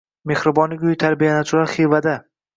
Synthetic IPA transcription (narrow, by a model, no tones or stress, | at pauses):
me̞hɾɪbɒnɪɡʲʊjt̪ʰaɾbijanat͡ʃ̪ʰʊlaɾχijvad̪a